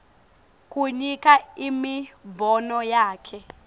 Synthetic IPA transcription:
kʼuɲikʼaimibɔnɔjaːkʰɛ

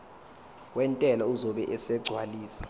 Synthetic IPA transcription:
wɛntʼɛlauzɔɓɛʔɛsɛɡ͡ǀʱwaliːsḁ

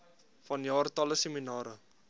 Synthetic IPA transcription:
fɐnjɑːrtɐləseminɑːɾə

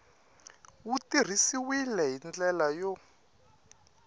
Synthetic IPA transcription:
wutir̤isiwilɛɦind͡ɮɛlajɔ

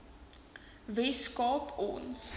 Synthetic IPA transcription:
vɛskɑːpɔ̰ns

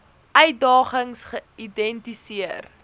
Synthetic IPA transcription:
ʔœɥdɑːχəŋsχəidɛntisiər

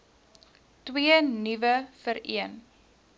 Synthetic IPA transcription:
twiənivəfəɾḭən

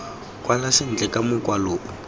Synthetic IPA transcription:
kʼwalasɪn̩t͡ɬɛkʼamʊkʼwaloːʔʊ

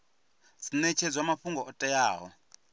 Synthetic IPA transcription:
sinɛt͡ʃʰɛd͡zwamaɸuŋɡɔʔɔtʼɛjaːɦɔ̰

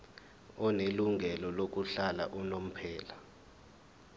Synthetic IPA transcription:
ɔneluŋʱɛlɔlok̬uɬala̰ʔunom̩pʰɛːla

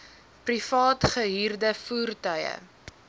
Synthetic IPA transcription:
prifɑːtχəɦiːrdəfuːrtœjə̰

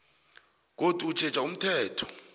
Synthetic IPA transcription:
k̬otʼut͡ʃʰɛt͡ʃʼaum̩tʰɛːtʰɔ̥

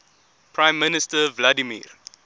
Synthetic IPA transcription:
pɹãɪ̃mːɪnɪstəvladimḭːr

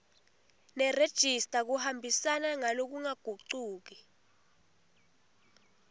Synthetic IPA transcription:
nɛred̥ʒ̥ʱistʼak̬uhambʱisanaŋalok̬uŋaɡ̥ʱuǀuːk̬i

